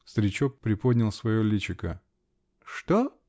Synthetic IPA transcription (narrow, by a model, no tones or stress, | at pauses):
st̪ɾʲɪt͡ɕok̚pːɾʲɪpod̪ʲnʲɪlˠsvɐjolʲit͡ɕɪkə | ʂt̪o